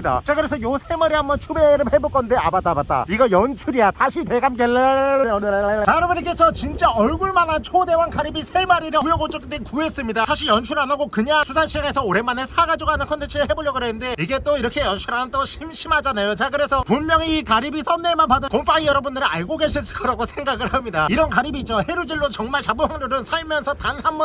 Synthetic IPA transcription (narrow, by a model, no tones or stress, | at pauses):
ida̰t͡ɕakɯɾesʰʌjosʰe̞maɾiɦambʌnt͡ɕʰumeɾɯmhebok͈ʌndea̰bat͈abat̚t͈a̰iɡʌjʌnt͡ɕʰuɾiatʰaɕʰiteɡamɡeɭnɯt͡ɕaɾɯmɯɾik͈e̞sʰʌt͡ɕint͡ɕ͈aʌɭɡuɭmanant͡ɕʰode̞wankaɾibisʰemaɾiɾɯujʌɡot͡ɕ͈okʰidenkue̞s͈ɯmɲidasʰaɕʰiɭjʌnt͡ɕʰuɾanaɡokɯɲasʰusʰanɕʰiaŋe̞sʰʌoɾe̞mane̞sʰaɡad͡ʑiɡoɦanɯnkʰont̪ʰent͡ɕʰɯɾɯɭe̞boʎjʌɡɯɾenɯnde̞iɡe̞t͈oiɾʌkʰe̞jʌnɕʰuɾanɯnt͈oɕʰimɕʰimɦad͡ʑanajot͡ɕakɯɾe̞sʰʌpunmjʌŋiːkaɾibis͈ʌnːeɭmanpadɯkomp͈ʰaŋijʌɾʌbundɯɾɯaɭɡoɡe̞ɕʰiɭs̬͈ɯ̥ɭk͈ʌɾaɡosʰe̞ŋɡaɡɯɭhamɲidaiɾʌnkaɾibiːt͡ɕ͈ohe̞ɾud͡ʑiɭːot͡ɕʌŋmaɭt͡ɕabɯɦaŋɾoɾɯnsʰaɭmjʌnsʰʌtanhambʌ